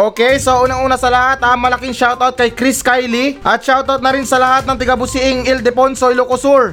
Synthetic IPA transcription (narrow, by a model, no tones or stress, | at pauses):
ʔoːkɛjsɐʔuːnɐŋʔuːnɐsɐlɐhat̪̚ɐŋmɐlɐkiŋʃawt̪awt̪̚kɐjkɾiskajliʔɐt̪̚ʃawt̪awt̪̚nɐɾinsɐlɐhat̪̚nɐŋt̪ɐɡɐbʊsɪʔɪŋɪld̪ɛponsojlokʊsuɹ